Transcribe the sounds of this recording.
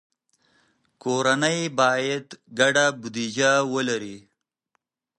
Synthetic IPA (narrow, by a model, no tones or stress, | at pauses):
koɾanəjbɑjad̪ɡaɖabʊd̪id͡ʒawəlaɾi